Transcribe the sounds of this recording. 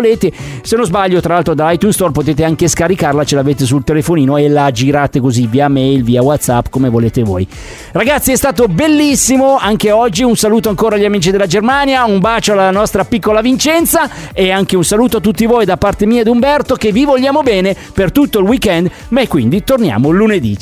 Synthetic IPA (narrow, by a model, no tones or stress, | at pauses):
leːt̪esenozbaʎːot̪ɾalalt̪ɾod̪alajt̪unst̪ɔrpot̪eːt̪̬eaŋkeskaɾikarlat͡ʃelaveːt̪esult̪elefoniːnoelad͡ʒiɾaːt̪ekoziviːamɛjlviːawat̪sapːkomevoleːt̪evo̰ːj | raɡat̪sːiɛst̪aːt̪̬obelːisːimoaŋkeɔd͡ʒːiunsaluːt̪̬oaŋkoːɾaʎːamiːt͡ʃid̪elːad͡ʒermanjaumbaːt͡ʃoalːanɔst̪ɾapikːolavint͡ʃɛnt̪sa | eaŋkeunsaluːt̪̬oat̪̬ːut̪ːivojd̪apːart̪emiːad̪umbɛrt̪okevivolːaːmobɛːne | pert̪ut̪ːoilwikɛnd̪ | maekwind̪it̪ornja̰ːmolːuned̪ḭ